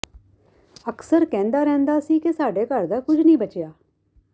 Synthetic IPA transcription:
əksəɾkɛ̃ːnd̪aːɾɛ̃ːnd̪aːsiːkɪsaːɖeːkəɾd̪aːkʊd͡ʒnĩːbət͡ʃɪjaː

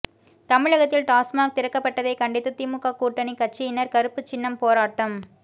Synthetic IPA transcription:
t̪ɐmɪɻɐɣɐt̪ːɪlʈaːsmaːk̚t̪ɪɾɐkːɐpːɐʈːɐðɐɪkɐɳɖɪt̪ːɯt̪imʊkːaːkːuːʈːɐnikːɐt͡ʃːiɪnːɐɾkɐɾɯpːɯt͡ʃɪnːɐmpoːɾaːʈːɐm

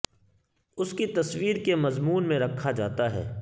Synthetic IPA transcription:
ʊskit̪ɐswiːɾkemɐzmuːnmẽɾɐkʰːad͡ʒaːt̪aɦɛ̰ː

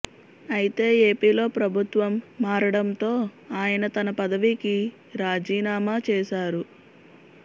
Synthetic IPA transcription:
ɐjit̪e̞ːe̞ːpiːlo̞ːpɾɐbʱut̪ʋɐmːaːɾɐɽɐnt̪o̞ːaːjɐnɐt̪ɐnɐpɐd̪ɐʋiki | ɾaːd͡ʒiːnaːmaːt͡ʃɛːʃaːɾu

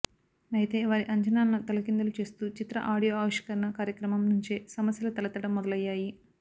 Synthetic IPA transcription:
ɐjt̪e̞ːʋaːɾiʔɐɲt͡ʃɐnaːnːut̪ɐlɐkind̪ulut͡ʃe̞ːst̪uːt͡ʃit̪ɾɐ̰ʔaːɽijoaːʋiʂɐ̥kɐɾɐnɐkaːɾjɐkɾɐmɐmnuɲt͡ʃeːsɐmɐsjɐlɐt̪ɐlɐt̪ɐɽɐmːɔd̪ɐlɐjːaːji

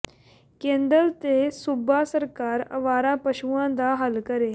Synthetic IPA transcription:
kẽnd̪əlt̪esubʱasəɾkaːɾə̰ʋaːɾãpəɕuãd̪aɦəlkəɾe

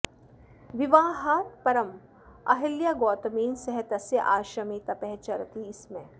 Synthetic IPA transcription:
ʋiʋaːɦaːt̪pɐɾɐm | ɐ̰ɦiljaɡoːt̪ɐmiːnsɐɦet̪ɐsjɐʔaːʃɐmit̪ɐpɛɦt͡ʃɐɾɐt̪iːsmẽ

